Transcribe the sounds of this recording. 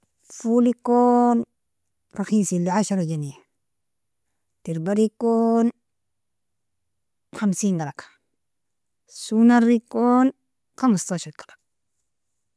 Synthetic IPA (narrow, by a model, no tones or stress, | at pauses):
fulikon | ɾaxisilːiʕaʃaɾad͡ʒanija | tiɾbaɾikon | xamsiːŋɡalakḁ | sunaɾikon | xamastaʃot̪̚kalak̚